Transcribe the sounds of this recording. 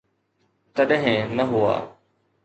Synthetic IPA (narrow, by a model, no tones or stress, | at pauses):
t̪əɗɦɪ̃nəɦʊa̰ː